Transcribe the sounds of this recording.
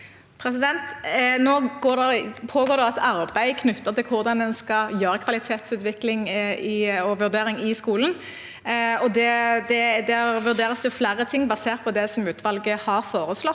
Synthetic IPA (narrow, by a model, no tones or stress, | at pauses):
pʰɾɛsɪd̪ɛnt̪noːɡoːd̪ɛpʰoːɡoːʁd̪ɛɑt̪ʰɑɾbæɪkʰnʉt̪ːət̪ɪlkʰʊʁd̪ɑnd̪ɛnskɑljøːɾəkʰʋɑlɪt̪ʰeːt̪sʉːt̪ʋɪklɪŋɪɔʋʉʁd̪eːʁɪŋɪskuːlən̩ | ɔd̪ɛd̪ɛd̪æʋʉʁd̪eːʁəsd̪ʉflæːɾət̪ʰɪŋːbɑseːʁt̪̚pɔd̪ɛsɔmʉːt̪ʰʋɑlɡəhɑʁfoːʁəslɔt̪ː